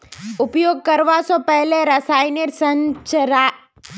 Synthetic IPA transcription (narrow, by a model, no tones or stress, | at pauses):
ʊpjoːɡ̚kɐɾʋasɔpɛɦleɾɐsaːɪneɾsə̃nt͡ʃɾa